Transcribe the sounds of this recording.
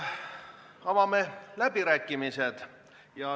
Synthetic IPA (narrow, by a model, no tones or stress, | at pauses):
ɑvɑmelæbiɾæːkːˑimise̞d̪̥ | jɑ